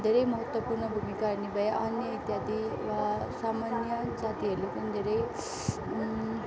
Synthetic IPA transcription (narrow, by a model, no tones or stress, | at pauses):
d̪ʱeɾʌjmʌɦʌt̪wəpuɾɳʌbʱumikaɾnibʱʌjeʔʌnjʌit̪jat̪iʋasamanjʌd͡zat̪iɦelopund̪ʱeɾej